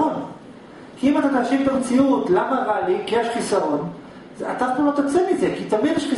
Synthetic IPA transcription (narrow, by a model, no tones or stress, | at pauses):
on | kʰiimat̪at̪aːʃivt̪amt͡siutlamaʁalikieʃχisaʁo̞n | za̰t̪aχolot̪at͡semizekit̪avinjeʃχi